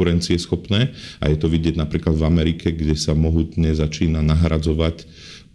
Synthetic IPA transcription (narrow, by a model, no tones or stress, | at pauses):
uɾɛnt͡siɛsxɔpnɛːʔa̰jɛt̪ɔʋiɟɪɛɟnapɾiːklad̪vamɛɾikʰɛɡɟɛsamɔɦuːt̪ɲɛzat͡ʃiːnanaɦɾad͡zɔʋac